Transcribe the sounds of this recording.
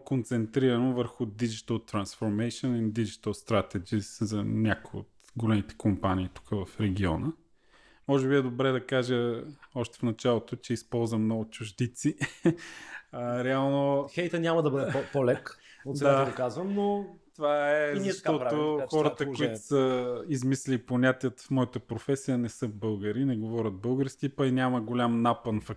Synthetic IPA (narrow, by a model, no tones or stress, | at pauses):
kont̪sɛnt̪ɾiɾɐnovəɾxʊd̪id͡ʒit̪əlˠt̪ɾɐnsfoɾmɛjʃonind̪id͡ʒit̪əlˠst̪ɾat̪ɛd͡ʒiszɐnʲakojio̰t̪ | ɡolɛmit̪ɛ̥kompaniːt̪u̥kəvɐfɾɛɡʲiɔ̰nə | mɔʒɛbiɛd̪obɾɛd̪ɐkaʒəɔʃt̪ɛ̥fnɐt͡ʃalˠot̪ot͡ʃɛispɔlˠzvɐmnɔɡʊt͡ʃʊʒd̪it̪si | ɾɛalˠnoxɛjt̪ənʲamɐd̪ɐbəd̪ɛpolɛkot̪dsaokazvəmnot̪ovaɛzʃt̪ɔoxɔɾət̪əkoit̪o̥səizmislʲiponʲat̪iət̪fmɔit̪əpɾofɛsijənɛsɤbɤlˠɡəɾinɛɡovɔɾʲət̪̚bɤlˠɡəɾskʲipɐinʲaməɡolʲamnapənfɐk